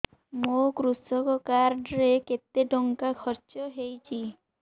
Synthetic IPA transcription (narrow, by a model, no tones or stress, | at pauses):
mokɾusɔkɔkaɾɖɾeket̪eɖɔŋkakʰɔɾt͡ʃɔɦejt͡ʃʰi